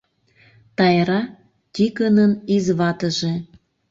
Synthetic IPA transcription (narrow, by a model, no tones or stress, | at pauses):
t̪ɑjɾɑ | t̪ʲikənənizβɑt̪ə̆ʒe